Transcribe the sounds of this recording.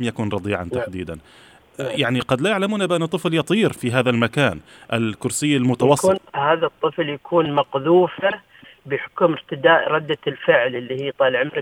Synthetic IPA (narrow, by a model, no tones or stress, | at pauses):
mjakuːnɾˤɑd̪ˤiːʕa̰nt̪aħd̪iːd̪an | jaʕniqɑd̪lajaʕlamuːnabɪʔanːʊt̪ˤːɨfljɑt̪ˤiːɾfiɦaːðalmakaːn | ʔɪlkʊɾsɪjːalmʊt̪awɑsːhaːðat̪ˤːɨfljakʰuːnmɑqðuːfa | bɪħʊ̥kʊmɪɾt̪ɪd̪aːʔɾˤɑd̪ːalfɪʕlʔɪlːihiːt̪ˤɑːlʕɪmɾɪ